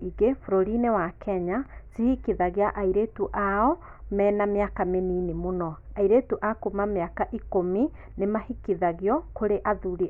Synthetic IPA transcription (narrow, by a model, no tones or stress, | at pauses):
iɣefuɾoɾinewakʰɛɲazihikiðaɣjaʔaiɾetuʔaɔ | mɛnameakameninimonɔaiɾetuʔakomameakaʔikomi | nemahikiðaɣjɔkoɾeʔaðuɾi